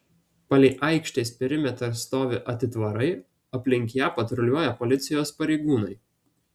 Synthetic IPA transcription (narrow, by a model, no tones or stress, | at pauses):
pɐlʲɛɪʔɐɪkʃʲt̪ʲɛɪspʲɪɾʲɪmʲɛt̪ɾɐɾst̪oːʋʲɪʔɐt̪ʲɪt̪ʋɐɾɐɪ | ɐpʲlʲɪŋʲkʲjɛpɐt̪ɾɔlʲuɔjɛpɔlʲɪt̪sʲɪjoːspɐɾʲɛɪɡuːnɐɪ